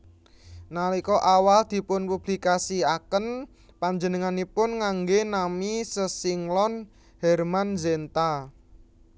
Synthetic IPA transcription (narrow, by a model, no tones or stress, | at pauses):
nalikɔʔawald̪̥i̤pʊnpub̥likasiakən | paɲd͡ʒənəŋanipʊnŋaŋɡenamisəsɪŋlɔn | hɛrmanzent̪a